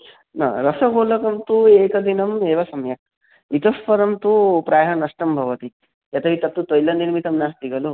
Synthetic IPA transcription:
nɐ̰ɾɐsɐɡoːlɐkɐmt̪ueːkɐd̪inɐmeːʋasɐmjɐk̚ | it̪ɐspɐɾɐmt̪upɾaːjɦɐnɐsʈɐmbʱɐʋɐt̪i | jɐt̪ɐɦit̪ɐt̪ːut̪ojlɐniɾmit̪ɐmnast̪iɡʱɐlu

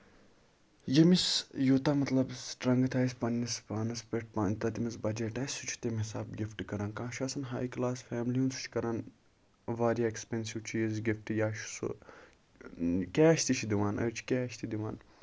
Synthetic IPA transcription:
jɐmisjot̪amɐt̪lɐbsʈɾɐŋɡɐt̪ʰaːspɐnːispaːnɐspeʈ̚pant̪ɐt̪imɐsbɐd͡ʒeʈaːsʲut͡ʃʰu̥t̪emɦisaːbɡʲifʈikɐɾɐnkãːʃaːsɐnɦaːjklaːsfɛːmlijunsu̥t͡ʃʰkɐɾɐn | ʋaːɾijaekspensiwt͡ʃʰijezɡifʈijaːʃu̥sṵ | kʲɛːʃt̪it͡ʃʰid̪iʋaːnɐ̰ɾt͡ʃʰi̥kʲɛːʃt̪id̪iʋaːn

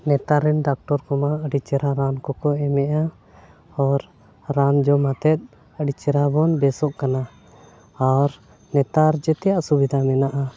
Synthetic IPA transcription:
nɛt̪aɾɛnɖak̚ʈɔɾkɔmaəɖit͡ʃɛɾaɾankɔkɔɛmɛʔa | ɔɾ | ɾand͡ʒɔmat̪ɛt̪̚ | əɖit͡ʃɛɾabɔnbɛsɔʔkana | aɾ | nɛt̪aɾd͡ʒɛt̪ɛjaʔsubid̪ʱamɛnaʔa

